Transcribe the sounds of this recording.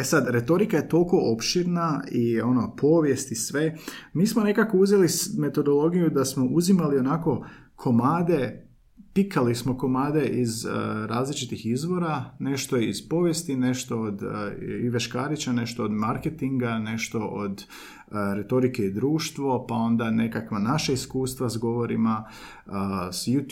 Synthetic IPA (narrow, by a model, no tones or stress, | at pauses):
esad̪ɾe̞t̪o̞ɾikaje̞t̪o̞lˠko̞ʔopʃiɾnaio̞no̞pʰo̞ʋje̞st̪isʋe̞ | miːsmone̞kakouzelime̞t̪o̞d̪o̞lo̞ɡijud̪asmo̞ʔuzimalio̞naːko̞ | kʰo̞maːd̪e̞ | pikʰalismo̞ko̞maːd̪e̞ʔizɾaːzlit͡ʃit̪ixizʋo̞ɾane̞ʃt̪oiz̥po̞ʋje̞st̪ine̞ʃt̪o̞od̪iʋeʃkaːɾit͡ɕane̞ʃt̪o̞od̪maɾket̪iŋɡane̞ʃt̪o̞ʔod̪ | ɾe̞t̪o̞ɾike̞id̪ɾuːʃt̪ʋo̞pao̞nd̪ane̞kakʋanaʃaiskuːst̪ʋazɡo̞ʋo̞ɾima | sjut̪